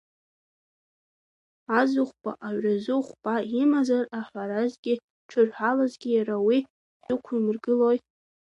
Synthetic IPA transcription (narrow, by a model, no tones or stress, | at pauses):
azʊχʷpʼa̰ʔaɥrazɨχʷpʼaimazaraħʷaɾazɡʲɪ | ʈ͡ʂʰɨrħʷalazɡʲɪjaɾawi | zɨkʷʰimɨrɡɨlo̞jʼ